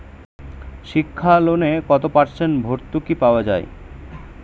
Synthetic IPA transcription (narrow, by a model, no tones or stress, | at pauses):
ʃikʰːalonekɔt̪opaɾʃenbʱoɾt̪ukipaoad͡ʑa̰e